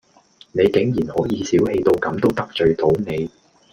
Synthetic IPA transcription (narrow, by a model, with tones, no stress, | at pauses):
ne˨˧jkɪ˨˥ŋjiː˨˩nhɔː˨˥jiː˨˧siː˨˥whe˧jt̪o˧wkɐ˨˥mt̪o˥wt̪ɐ˥k̚t͡ʃɵ˨˧ɥt̪ʰo˨˥wne˨˧j